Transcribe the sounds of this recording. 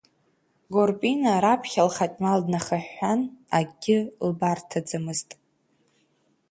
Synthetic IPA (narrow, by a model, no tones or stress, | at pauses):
ɡorpʼinaɾapʰχʲalχatʲʼmaldnaχaħːanaɡʲɪlbartʰad͡zamɨztʼ